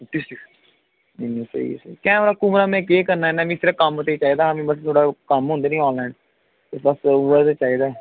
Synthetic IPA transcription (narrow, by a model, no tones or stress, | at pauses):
ʈisi | menĩsḛḭsekɛ̃ːoɾaːkʊmɾaːmɛ̃ːkeːkəɾnaːɛːnãːʋĩːsɪɾəkəmot̪eːiːt͡ʃaːiːd̪aːãːʋĩːbəst̪ʰoːɽaːkəmɦõːnd̪eːnĩːɔːlɛ̃ːɳɖ | t̪ebəsuːɛt̪eːt͡ʃaːiːd̪aːɛ